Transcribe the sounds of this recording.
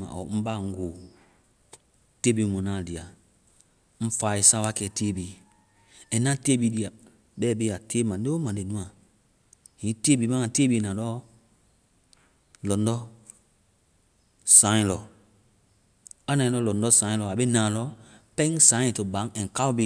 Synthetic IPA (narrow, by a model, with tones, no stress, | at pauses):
ma̰˨ɔ̰˨˦m̩˦ba˦˨ŋ̩˨˦ɡo˨ | te˦bi˨˦mu˨na˦˨di˨a˨ | m̩˦fa˨i˨sa˦wa˦kɛ˨te˦bi˨ | ɛ˨na˦te˦bi˨di˨a˨ | bɛ˦˨be˦a˨te˦ma˨˦e˦o˦mã˨nde˨nũ˦a˨ | hĩ˨˦te˦bi˨ma˦ŋa˨te˦bi˨na˨lɔ˦ | lɔ˨n˦dɔ˦ | sã˨˦ĩ˦lɔ˨ | a˦na˨lɔ˦lɔ˨ndɔ˦sã˨˦lɔ˨a˨be˦nã˨lɔ˦pɛ˦ŋsã˨˦ĩ˨to˨ba˨˦ŋɛ˨ŋ̩˨ka˦u˦bi˦